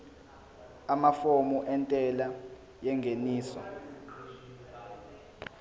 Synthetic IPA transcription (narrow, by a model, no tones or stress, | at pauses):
amafomuʔɛntʼɛla | jɛŋʱeniːsɔ̰